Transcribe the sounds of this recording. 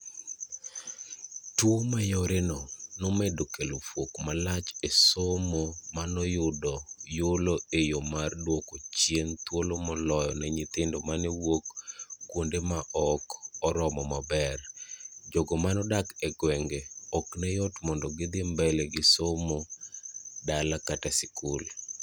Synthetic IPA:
twomajɔɾenɔnɔmedokelofwokmalat͡ʃesomomanɔjʊdɔjoloejomardwokot͡ʃjent̪wolomɔlɔjɔnɛɲɪt̪ɪndɔmanɛwokɡwondemaʔɔkɔɾɔmɔmabɛrd͡ʒoɡɔmanɔdakɛɡwɛŋɡeɔknɛjɔtmɔndɔɡɪd̪ɪmbɛlɛɡɪsomo | dalakatasɪkʊl

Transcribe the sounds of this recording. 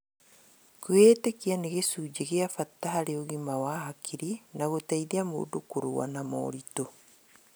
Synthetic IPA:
kwetekianeɣesud͡ʒeɣeafatːaɦaɾeoɣimawahakʰiɾinaɣotaiðiamo̰dukuɾuwa̰namo̰ːɾito

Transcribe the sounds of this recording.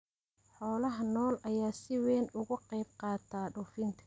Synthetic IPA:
ħɔːlɐɦɐnɔːlʔɐjaːsɪwɛːnʊɣʊqɑjb̚qɑːt̪ʰaːɖʊfɪnt̪ʰɐ̥

